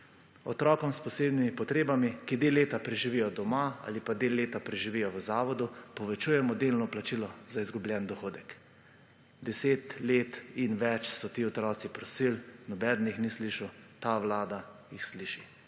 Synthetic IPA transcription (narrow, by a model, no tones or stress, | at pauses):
ɔt̪ɾɔːkɔmspɔseːbnimipɔt̪ɾeːbamikid̪eːlːeːt̪apɾɛʒiʋijɔd̪ɔmaa̰lipad̪elːeːt̪apɾɛʒiʋijɔʋəzaːʋɔd̪upɔʋɛt͡ʃuːjɛmɔd̪eːlnɔplat͡ʃilɔzaizɡubljɛnd̪ɔxoːd̪ɛk | d̪ɛseːt̪leːt̪inʋɛt͡ʃsɔt̪iːɔt̪ɾɔːt̪sipɾɔsilnɔbɛːd̪n̩ixnisliʃut̪aʋlaːd̪a | jixsliːʃi